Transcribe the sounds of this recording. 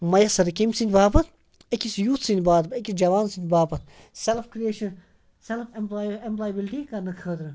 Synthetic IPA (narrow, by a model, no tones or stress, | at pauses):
mɐjɐsɐɾɐkimsinʲd̪ʲbaːpɐt̪ | ekʲisjuːt̪sinʲd̪ʲbaːt̪pekʲisd͡ʒɐʋaːnsind̪ʲbaːpɐt̪̚ | selfkɾieːʃɐn | selfʰememplaːjəbilʈikɐɾnɨkʰəːd̪ɾɨ